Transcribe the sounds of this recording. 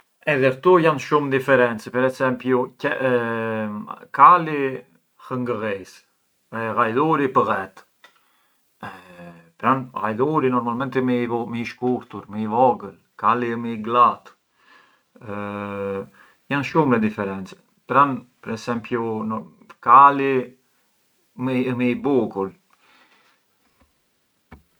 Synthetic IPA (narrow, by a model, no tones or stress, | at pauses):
ɛðɛɾt̪ujanʃumd̪ifɛɾɛnt͡sɛpɛɾɛsɛmpjucɛ | kali | həŋɡəɣɛs | ɛɣajðuɾipəɣɛt̪ | pɾanɣajðuɾinɔɾmalmɛnt̪ɛmməiʃkuɾt̪uɾməivɔɡəl | kaliməiɡlat̪ | janʃumɛd̪ifɛɾɛnt͡sɛ̥ | pɾanpɛɾɛsɛmpjun | kali | mmiibukul